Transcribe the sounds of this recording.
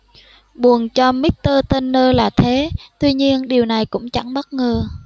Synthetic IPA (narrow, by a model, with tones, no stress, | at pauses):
ɓu˨˩ənt͡ɕɔ˧mi˦˥t̪əː˧t̪e˧nːəː˧laː˨˩t̪ʰe˨˦t̪wi˧ɲi˧ənɗi˨˩əwna˨˩jkʊ̰˧˥ŋ͡mt͡ɕa̰˧˩ŋɓə˦˥t̚ŋəː˨˩